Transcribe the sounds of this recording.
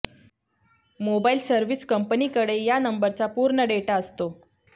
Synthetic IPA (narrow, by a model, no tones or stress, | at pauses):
mobailsəɾʋiskəmpənikəɽejanəmbəɾt͡sapuɾɳəɖeʈaəst̪o